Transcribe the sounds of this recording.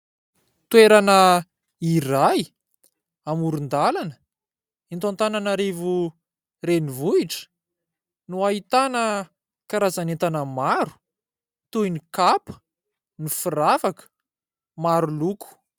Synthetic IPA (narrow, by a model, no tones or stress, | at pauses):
t̪weɾanə | iraj | amuɾund̪alanə | int̪ant̪ananaɾevu | renivuiʈ͡ʂə̥ | nuait̪anə | kaɾazanet̪anəmaɾu̥ | t̪uinikapə̥ | nifiravakə̥ | maɾuluku̥